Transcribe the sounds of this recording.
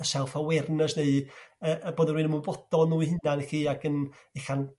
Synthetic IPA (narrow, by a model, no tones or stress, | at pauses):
əsɛlˠfawɛrnəsneɨəʔəboːdənwiːnəmubɔd̥ɔnuːihɪnaniχiːaɡən | exan